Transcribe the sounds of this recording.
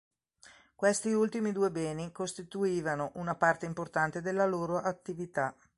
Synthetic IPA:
kwest̪iult̪imid̪uːebɛːnikost̪it̪uiːvanoʔunapart̪eimport̪ant̪ed̪elːaloːɾoʔat̪ːivit̪a

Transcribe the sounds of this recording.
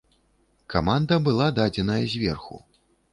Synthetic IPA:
kamand̪ɐbɨlˠad̪ad͡zʲɛnɐjɐzʲvʲɛrxṵ

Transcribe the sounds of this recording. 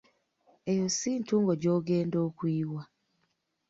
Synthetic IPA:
ejosintuŋɡod͡ʒoɡendokwiwa

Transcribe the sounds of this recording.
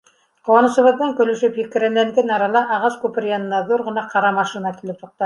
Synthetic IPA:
qowɑnɤ̆ʃɤ̆βɤ̆ðːɑŋkɵ̆lɵ̆ʃɵpjikɘ̆ɾænælɡɘnɑɾɑlˠɑʔɑʁɑskʉpɘ̆ɾjɑnɤ̆nːɑðuɾʁɤ̆nɑqɑɾɑmɑʃinɑkilɘp̚t̪uq̚t̪ɑ

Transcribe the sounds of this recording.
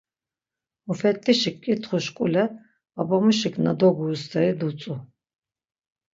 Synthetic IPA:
ufɛt̪ʰʼːiʃikʼːit̪ʰχuʃkʼulɛ | abamuʃikʰnad̪ɔɡust̪ʰaid̪ut͡sʼu

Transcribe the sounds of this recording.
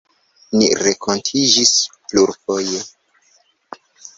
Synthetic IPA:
niɾekʰontʰid͡ʒispluɾfojo

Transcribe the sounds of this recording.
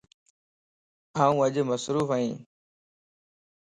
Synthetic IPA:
aːũːəʄməsɾuːfəɦĩː

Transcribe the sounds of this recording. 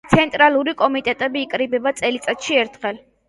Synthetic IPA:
t̪sʰɛnt̪ʼɾaluɾikʼɔmit̪ʼɛt̪ʼɛbiːkʼɾibɛbat̪sʼɛlit̪sʼat̪ʃiɛɾt̪ʰχɛl

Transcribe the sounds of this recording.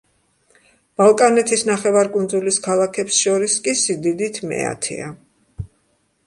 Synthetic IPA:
b̥alˠkʼanɛt̪ʰisnaχɛvaɾkʼund̪zuliskʰalˠakʰɛpsʃɔɾiskʼisid̪id̪it̪ʰmɛ̰a̰t̪ʰɛ̰a

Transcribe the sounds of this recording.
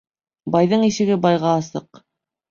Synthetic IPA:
bɑjðɤɴiʃɘ̆ɡɘbɑjʁɑːsɤq

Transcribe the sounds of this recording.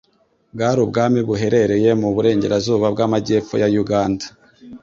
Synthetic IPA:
b̚ɡaːɾubɡaːmiβuɦe̞ɾe̞ɾe̞je̞muβuɾe̞ːɲɟe̞̰ɾazuːβabɡamaɟe̞ːfojajuɡaːnda

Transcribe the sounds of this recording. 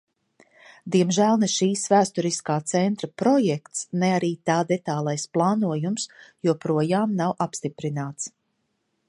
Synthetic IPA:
d̪iɛmʒæːlˠnɛʃiːsvæːst̪ɔɾiskaːt̪sɛnt̪ɾapɾɔjɛkt̪snɛaɾiːt̪aːd̪ɛt̪aːlˠajsplˠɑːnuɔjumsjuɔpɾuɔjaːmnawʔapst̪ipɾinaːt̪s

